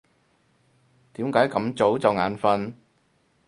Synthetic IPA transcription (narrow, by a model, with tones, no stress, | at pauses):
t̪iː˨˥mkaː˨˥jkɐ˨˧˥mt͡so˨˥wt͡sɐ˨wŋaː˨˥nfɐ˧n